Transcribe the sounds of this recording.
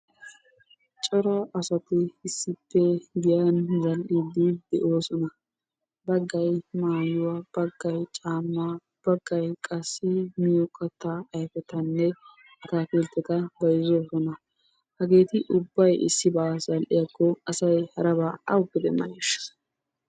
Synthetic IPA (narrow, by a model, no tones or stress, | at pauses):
t͡ʃʼɔɾɐʔɐsɐt̪ɪːsːɪpːɛɡɪjanzɐlʔid̪ɪd̪̥ɛʔo̞ːsɔnɐ | bɐɡːɐjmaːjʊwab̥ɐɡːɐjt͡ʃʼaːmːaː | b̥ɐɡ̥ːɐjkʼɐsːɪmɪjɔkʼɐt̪ːaːjfɛt̪ɐnːɛ | ɐt̪aːfɪlt̪ːɛt̪ɐbɐjɪzo̞ːsɔnɐ | hɐɡe̞ːt̪ɪʔʊbːɐjɪsːɪbɐzɐlʔɪjɐkːɔɐsɐjhɐɾɐbaːɐwʊkːɪd̪ɛmɐ̰neʃɐ̥